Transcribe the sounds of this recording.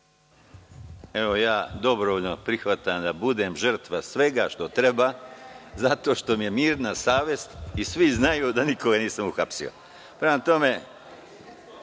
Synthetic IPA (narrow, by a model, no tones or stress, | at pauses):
e̞ʋo̞jaːd̪o̞bɾoʋoʎnopɾixʋat̪amd̪abud̪e̞mʒər̩t̪ʋasʋe̞ɡaʃt̪o̞t̪ɾe̞baːzat̪o̞ːʃt̪o̞mije̞miːɾnasaːʋje̞st̪isʋiznajud̪anikoɡaniːsamuxapsḭo̰ | pɾemat̪o̞me